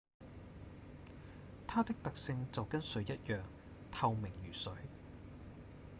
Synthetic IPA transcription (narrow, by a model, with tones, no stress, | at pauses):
t̪ʰaː˥t̪ɪ˥k̚t̪ɐ˨k̚sɪ˧ŋt͡sɐ˨wkɐ˥nsɵ˨˥jɐ˥t̚jœː˨ŋ | t̪ʰɐ˧wmɪ˨˩ŋjyː˨˩sɵ˨˥ɥ